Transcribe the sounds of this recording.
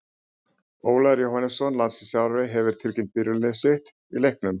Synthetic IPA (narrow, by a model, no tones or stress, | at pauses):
oːwlaɾjowhanɪsɔnlansɪsjawɾvejɦɛvɪɾ̥t̪ʰɪlcɪnt̪̚pɪɾʏlnɪsɪht̪ | ilejhknʏm